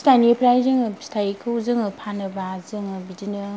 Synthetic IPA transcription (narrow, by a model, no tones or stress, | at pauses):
stanipʰɾajzɯŋɯstʰajkʰɯwzɯŋɯpʰanɯbazɯŋɯbidinɯ